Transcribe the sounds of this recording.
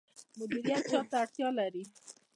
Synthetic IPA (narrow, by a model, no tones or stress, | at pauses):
mʊd̪iɾijat̪̚t͡ʃɑt̪aːɽt̪jɑlaɾi